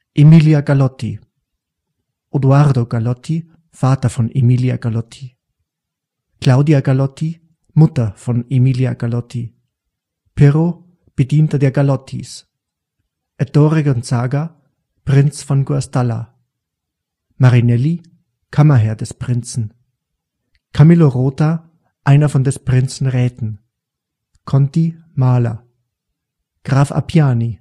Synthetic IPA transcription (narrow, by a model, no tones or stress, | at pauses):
ʔemiljaɡalɔtḭ | ʔodwaʁdoɡ̥alɔtʰi | faːtɐfɔnemilja̰ɡ̥alɔtʰi | klaʊdiaɡalɔtʰi | mʊtɐfɔnemilja̰ɡalɔtʰi | pʰeʁo | b̥ədiːntɐdeːɐɡalɔtʰḭs | ʔɛdoːʁeɡɔnt͡saːɡa | pʁ̥ɪnt͡sfɔnɡuastala̰ | maʁinɛli | kʰamɐɦɛɐdɛspʁ̥ɪnt͡sn̩ | kʰamiloʁoːta | ʔaɪnɐfɔndɛspʁ̥ɪnt͡sn̩ʁɛːtn̩ | kʰɔnti | maːla̰ | ɡ̥ʁaːfa̰pʰjaːni